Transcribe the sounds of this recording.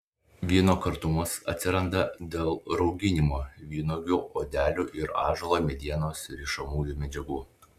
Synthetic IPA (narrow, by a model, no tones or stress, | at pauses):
ʋʲiɛːnoːkɐɾt̪ʊmɐsɐ̰t̪ʲsʲɪɾɐnd̪ɐd̪ʲeːlˠɾɒʊɡʲɪnʲɪmoːʋʲiːnoːɡʲuʔoːd̪ʲæːlʲuʔɪɾɑ̰ːʒɐlˠomʲɛd̪ʲiɛnoːsɾʲiʃɐmuːjuːmʲɛd͡ʒʲɛɡuː